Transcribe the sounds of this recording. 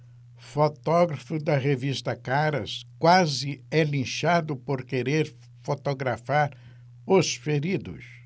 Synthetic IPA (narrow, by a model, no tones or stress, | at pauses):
fot̪ɔɡɾɐfʊd̪ɐʁevist̪ɐkaɾɐ̰skwazɪɛlĩʃad̪ʊpoɾkeɾeɾ | fot̪oɡɾafaɾ | ʊsfeɾid̪ʊ̰s